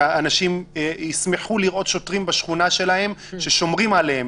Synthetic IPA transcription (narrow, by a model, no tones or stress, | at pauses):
aanaʃimismeħuliʁʔo̞t̪ʃotʁimbaʃχunaʃe̞lahe̞mʃe̞ʃo̞mʁimʕalehem